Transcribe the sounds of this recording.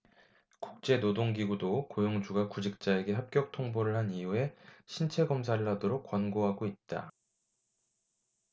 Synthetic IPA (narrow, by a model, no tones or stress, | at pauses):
kuk̚t͡ɕ͈e̞nodoŋɡiɡudokojoŋd͡ʑuɡakud͡ʑik̚t͡ɕ͈ae̞ɡe̞ɦap̚k͈jʌk̚tʰoŋboɾɯɭɦanijue̞ɕʰint͡ɕʰe̞ɡʌmsʰaɾɭɦadoɾok̚k͈ːwʌnɡoɦaɡoit̚t͈a̰